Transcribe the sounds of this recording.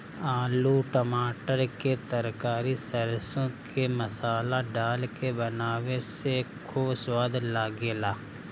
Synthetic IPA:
aːluʈəmaːʈəɾket̪əɾkaːɾisəɾsõkʰeməsaːlaɖaːlkebɐnaːwesekʰuːbswaːd̪laːɡeːlaː

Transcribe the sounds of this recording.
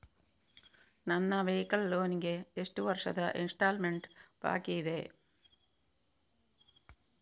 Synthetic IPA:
nɐnːɐʋejkːɐɭːoːniŋɡeeʂʈuʋɐrʂɐ̰ðɐʔinʂʈaːlmeɳɖba̰ːkːijiðe

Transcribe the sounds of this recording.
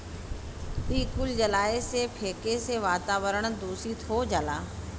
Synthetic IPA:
ɓiːkʊld͡ʑɐlaːesepʰeːkeseʋaːt̪aːʋəɾəɽ̃ʊ̆d̪uːsit̪ʰod͡ʑalaː

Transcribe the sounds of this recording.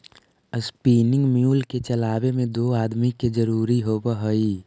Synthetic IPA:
əspiːnɪ̃ŋɡmjuːlket͡ʃəlaːbemẽd̪oːaːd̪miked͡ʒəɾuːɾiɦoːbəɦəi

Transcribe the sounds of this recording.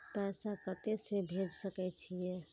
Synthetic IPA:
pɛsakət̪esebʱed͡ʒsəkɛt͡ʃʰijɛ

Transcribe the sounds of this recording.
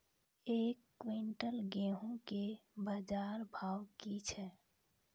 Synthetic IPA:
ekːwiɳʈəlɡeɦũkebad͡ʒaɾbʱawkit͡ʃʰɛ

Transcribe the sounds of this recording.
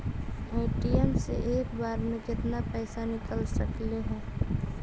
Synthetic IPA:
eːʈiɛmsḛʔeːkbaːɾmẽkɪt̪napɛːsanɪkəlsəkleɦɛ̃ː

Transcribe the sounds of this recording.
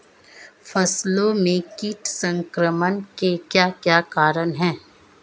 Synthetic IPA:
fʰɐslõmẽkiːʈsə̃ŋkɾəmənkekjaːkjaːkaːɾənɦɛ̃ː

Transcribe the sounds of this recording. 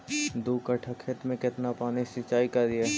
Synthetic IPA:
d̪ukəʈʰəkʰeːt̪mẽkɪt̪napaːnisɪt͡ʃaːikɐɾd̪ieː

